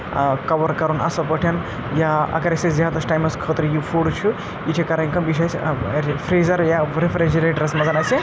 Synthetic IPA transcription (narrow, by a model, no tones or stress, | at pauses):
kɐʋɐɾkɐɾunɐ̰sɐpəʈʰɐn | jaɐ̰ɡɐɾɐsɐszʲaːd̪ɐsʈaːjmɐskʰəːt̪ɾɨjifʰuːɽt͡ʃʰu | jiʈʰikɐɾɐŋʲkɐmbiʃ̬ɐsʲfɾeːzɐɾjaɾifɾed͡ʒɐɾeːʈɐɾɐsmɐzɐnɐsi